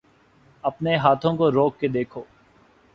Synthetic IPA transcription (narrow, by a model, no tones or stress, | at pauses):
ɐpneɦaːt̪ʰõkoɾoːkːed̪eːkʰoː